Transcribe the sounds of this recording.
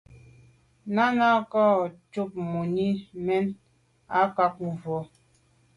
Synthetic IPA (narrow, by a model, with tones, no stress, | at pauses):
na˦na˦kɔ˦˨t͡ʃu˦p̚mu˨ni˦mɛ˦n | a˦ka˦k̚m̩˨vɔ˨˦